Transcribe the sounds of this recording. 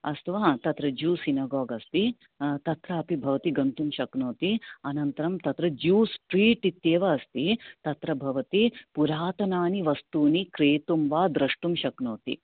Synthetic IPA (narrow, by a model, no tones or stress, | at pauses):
ɐst̪ʰɐʋaːt̪ɐt̪ɾɐd͡ʒuːsinaːɡɔːɡɐst̪i | t̪ɐt̪ɾɐɐpibʱɐʋɐt̪iɡɐnt̪umʃɐknoːt̪iɐnɐnt̪ɐɾɐmt̪ɐt̪ɾɐd͡ʒuːspɾiːʈit̪jeːʋɐːst̪it̪ɐt̪ɾɐbʱɐʋɐt̪ipuɾaːt̪ɐnaːniʋɐst̪uːnikɾeːt̪umʋaːd̪ɾɐʂʈumʃɐknoːt̪ḭ